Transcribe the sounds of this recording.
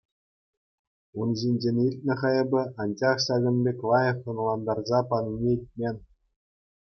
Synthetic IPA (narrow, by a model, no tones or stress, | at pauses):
unʑinʲd͡ʑenʲirʲtʲnʲɘ̆χɑjɤ̆bʲɘ̆ʔɑnd͡ʑɑχɕɑɡʲɘ̆nʲbʲekʲlˠɑjɤ̆χɤ̆nlˠɑnd̪ɑrzɑpɑnunʲeilʲt̚ʲmʲenʲ